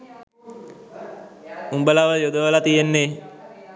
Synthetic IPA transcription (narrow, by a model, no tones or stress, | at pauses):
umbəlaʋəjod̪əʋəlat̪ijenːe